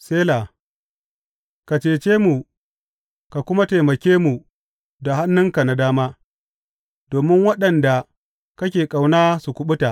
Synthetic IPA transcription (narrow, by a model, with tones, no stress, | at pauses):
seː˦laː˨ | ka˨t͡ʃeː˨t͡ʃeː˦mu˨ | ka˨kʷʊ˦ma˦ta˨mɐ˨kʲeː˦mu˨ | da˨ɦa˦nːʊ˦ŋka˨na˨daː˦maː˦ | doː˨mɪ˦ŋwɐ˦ɗɐ˨nda˨ | kɐ˦kʲeː˨kʼa˨wnaː˦su˨kʷʊ˨ɓʊ˦ta˨ʔ